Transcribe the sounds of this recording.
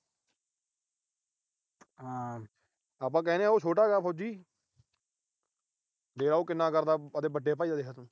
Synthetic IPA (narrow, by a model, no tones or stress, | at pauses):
a | aːp̬ãːk̬ɛːneaːoːt͡ʃʰoːʈaːɡaːpʰoːd͡ʒiː | d̪eːɾaːoːkɪnːãːkəɾd̪aːəd̪eːbəɖeːp̬aːid̪aːd̪eːkʰaːt̪ũː